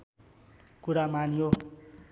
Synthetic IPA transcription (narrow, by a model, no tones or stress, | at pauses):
kuɾamanjo